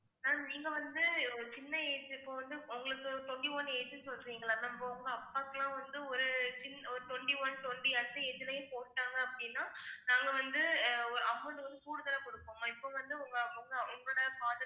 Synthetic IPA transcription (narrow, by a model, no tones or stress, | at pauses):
aːniːŋɡɐʋɐnd̪ɯt͡ʃɪnːɐeːd͡ʒɯɪpːõːʋɐnd̪ɯʊŋɡɐɭɯkːɯt̪ɔɳɖiʋɔnːeːd͡ʒɯnsɔlɯɾiːŋɡɐɭaːnɐɪmboʊŋɡɐɐpːaːkːɐlãːʋɐnd̪ɯɔɾɯt͡ʃɪnːɐɔɾɯt̪ɔɳɖiʋɔnt̪ɔɳɖiɐt̪ːɐeːd͡ʒɪlɐjẽːpoːʈːaːŋɡɐɐpːɐɽɪnːaːnaːŋɡɐʋɐnd̪ɯɔɾɯɐmːɐɳɖɯʋɐnd̪ɯkuːɽɯðɐlɐkɔɽɯkːoːŋɐɪpːoʋɐnd̪ɯʊŋɡɐʊŋɡɐʊŋɡɐɭoːɽɐfaːðɐ